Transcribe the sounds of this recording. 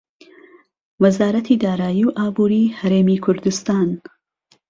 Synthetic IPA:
wɐzaːɾɐt̪ʰid̪aːɾaːjiwʔaːbuːɾiːhɐɾeːmikʰʊɾd̪ɨst̪aːn

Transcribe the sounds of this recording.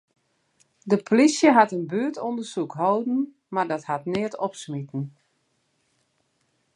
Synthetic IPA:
dəpʰlisjəɦatənbyətondərsukɦowdn̩ | mardɔthatnɪətʰɔpsmitn̩

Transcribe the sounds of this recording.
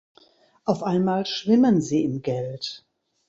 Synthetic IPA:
ʔaʊfʔaɪnmaːlʃv̥ɪmənziːɪmɡɛlt

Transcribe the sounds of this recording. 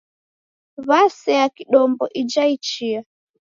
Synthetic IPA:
βasɛjakiɗɔmbɔʔid͡ʒait͡ʃia

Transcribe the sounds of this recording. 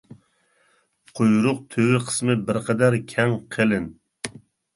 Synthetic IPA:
qʰojɾʊq̚t̪ʰøwɪqʰə̥smɨbɪɾqʰɛd̪æɾkʲʰɛŋqʰelɪn

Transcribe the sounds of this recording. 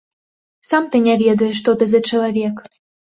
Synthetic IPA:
samt̪ɨnʲavʲɛd̪ɐjɛʂt̪ɔt̪ɨzɐt͡ʂɐlˠavʲɛk

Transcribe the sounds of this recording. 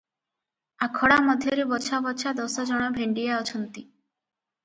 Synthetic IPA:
akʰɔɽamɔd̪ʱjɔɾebɔt͡ʃʰabɔt͡ʃʰad̪ɔsɔd͡ʒɔɽ̃ɔbʱeɳɖiaɔt͡ʃʰɔnt̪i

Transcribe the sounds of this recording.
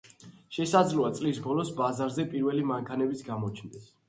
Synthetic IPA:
ʃɛsad̪zluat̪sʼlisbɔlɔsbazaɾzɛpʼiɾvɛlimaŋkʰanɛbit̪sʰɡamɔt͡ʃʰnd̪ɛs

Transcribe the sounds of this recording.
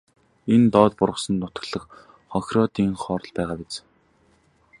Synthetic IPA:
ent̪ɔːt̪pʊɾʁə̆sə̆nnʊt̪ə̆ɮə̆x | χɔxʲrɔt̪iːŋχɔːɾɞ̆ɮpæːʁaːpet͡s

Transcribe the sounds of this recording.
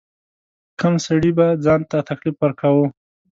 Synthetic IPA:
kəmsaɽibad͡zɑnt̪at̪aklifwaɾkʰawu

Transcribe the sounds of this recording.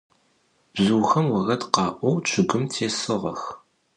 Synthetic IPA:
b̥zuːxɐmwɐɣɐdqɑːʔʷɔwt͡ʃʷʰɨɡʷʊmtʰeːsɨʁɐx

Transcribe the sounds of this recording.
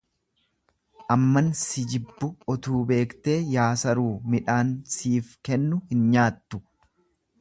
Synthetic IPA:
ʔɐmːɐnsɪd͡ʒɪbːʊɔt̪uːbe̞ːkt̪e̞ːjaːsɐɾuːmɪᶑaːnsiːfkɛnːʊhɪnɲaːt̪ːʊ̥

